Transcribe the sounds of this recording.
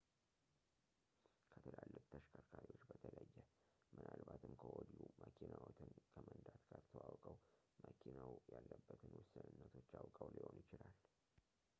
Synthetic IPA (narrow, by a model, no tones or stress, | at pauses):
kʰət̪ʰəlalːɨkʼt̪ʰəʃkʰakʰaɾiwo̞t͡ʃːbət̪ʰələjːɛ | mʔɨnʔalbat̪ʰɨmkʰəʔɔd̪iumʔəkʰinawɔt̪ʰɨnkʰəmənd̪at̪ɡaɾt̪ʰəwawkʼəw | məkʰinawjalːəbːət̪ʰɨnwʊsːɨnɨnːət̪ʰo̞t͡ʃːawkʼəwliho̞njɪt͡ʃɪlal